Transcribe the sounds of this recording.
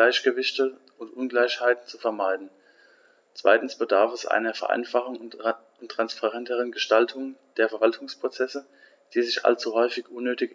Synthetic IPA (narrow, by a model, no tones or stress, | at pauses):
aɪçɡ̥əvɪçtə | ʔʊntʔʊnɡlaɪçhaɪtn̩t͡sufɛɐmaɪdn̩ | t͡sv̥a̰ɪtn̩sb̥ədaɐfɛsʔa̰ɪnɐfɛɐʔa̰ɪnfaχʊŋ | ʊntʁ̥anspʰaʁɛntəʁ̞ənɡəʃtaltʰʊŋəd̥eːɐfɛɐvaltʰʊŋspʁ̥ot͡sɛsə | d̥iːzɪçʔa̰lt͡suɦɔʏfɪçʔʊnːøːtɪk